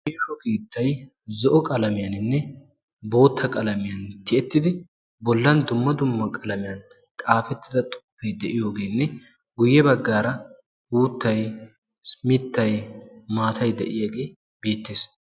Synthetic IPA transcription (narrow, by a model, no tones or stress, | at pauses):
heːʃɔkiːt̪ːɐj | zɔʔɔkʼɐlɐmɪjɐnɪnːɛ | bo̞ːt̪ːɐkʼɐlɐmɪjɐnt̪ɪɛt̪ːɪd̪ɪ | bɔlːɐnd̪ʊmːɐd̪ʊmːɐkʼɐlɐmɪjɐn | kʼaːfɛt̪ːɪd̪ɐt̪ʼʊ̥pːɛjd̪ɛʔɪjo̞ːɡe̞ːnːɛ | ɡʊjːɛbɐɡːaːɾɐ | uːt̪ːɐj | mɪt̪ːɐjmaːt̪ʰɐjd̪ɛ̰ʔɪjaːɡe̞ː | be̞ːt̪ːeːs